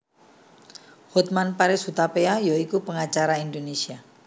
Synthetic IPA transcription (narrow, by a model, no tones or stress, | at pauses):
hɔt̪̚manpaɾɪshut̪apeajoikupəŋat͡ʃaɾaind̪onesia